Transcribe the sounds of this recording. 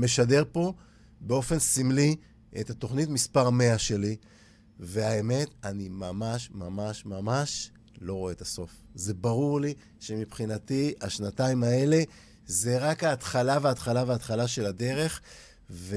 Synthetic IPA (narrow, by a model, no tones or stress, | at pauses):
me̞ʃade̞ʁpo̞ | be̞o̞fe̞nsimli | ḛt̪hat̪o̞χnitmispaʁme̞aʃe̞li | ve̞aeme̞t̪animamaʃmamaʃmamaʃ | lo̞ʁoeːt̪aso̞f | ze̞baʁuʁli | ʃe̞mipχinat̪iaʃnataimae̞le̞ | ze̞ʁakhaːt̪χalaveat̪χalaveat̪χalaʃe̞lad̪e̞ʁe̞χ | ve